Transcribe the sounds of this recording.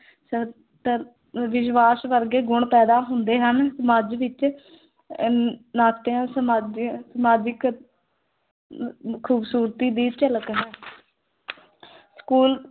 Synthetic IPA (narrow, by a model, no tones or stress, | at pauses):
sə | t̪ə | ʋɪʃʋaːsʋəɾɡeːɡʊɳpɛːd̪aːɦʊnd̪eːɦənsəmaːd͡ʒʋɪt͡ʃ | naːt̪eãːsəmaːd͡ʒsəmaːd͡ʒɪk | kʰuːbsuːɾt̪iːd̪iːt͡ʃələkɦɛ̃ː | skuːl